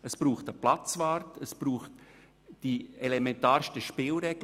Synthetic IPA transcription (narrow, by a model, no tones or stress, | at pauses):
əsb̥ɾuːχtəplat͡svaːɾtəsb̥ɾuːχt | d̥ielɛmɛntaːɾʃtəʃpɪlɾɛɡ̥l